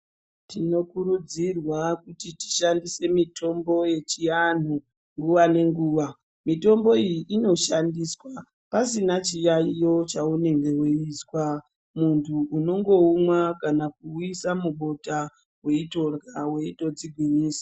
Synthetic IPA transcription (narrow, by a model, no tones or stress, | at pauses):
tino̞kuɾud͡zirwakutiti̥ʃandise̞mito̞mbo̞je̞t͡ʃijan̤u | ŋɡuʋane̞ŋɡuːʋa | mito̞mbo̞ijiʔino̞ʃandiswa | pasinat͡ʃijaijo̞t͡ʃaune̞ŋɡe̞weiːswa | muntʰuːno̞ŋɡo̞umwakanakuisamuɓo̞ta | we̞ito̞rɡawe̞ito̞d͡ziɡʱwiɲiːsḁ